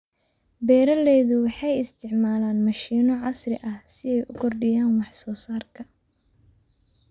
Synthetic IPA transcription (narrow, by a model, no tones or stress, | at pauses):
bɛːɾɐlɛːðʊwɑħɑjɪst̪ʰɪʕmaːlaːnmɐʃiːnɔʕɑsrɪʔɐhsɪɛjʔʊkʰɔrɖɪjaːnwɑħsɔːsaːrkʰɐ